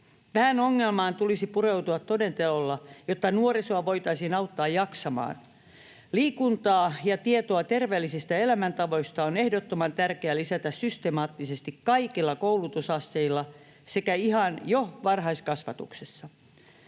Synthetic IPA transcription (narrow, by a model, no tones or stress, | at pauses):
ʋæhænoŋːelmɑːnt̪ulisipureut̪uɑt̪todent̪elolːɑjot̪ːɑnuorisoɑʋo̞jt̪ɑisiːnɑut̪ːɑːjjɑksɑmɑ̰ːn | liːkunt̪ɑːjɑt̪iet̪oɑt̪erʋeːlːisist̪æelæmænt̪ɑʋo̞ist̪ɑone̞hdot̪ːomɑnt̪ærkeælisæt̪æssyst̪emɑːt̪ːisest̪ikkɑikilːɑkoulut̪usɑsːeilːɑ | sekæihɑnjoʋɑrɦɑiskɑsʋɑ̰t̪ṵksesːɑ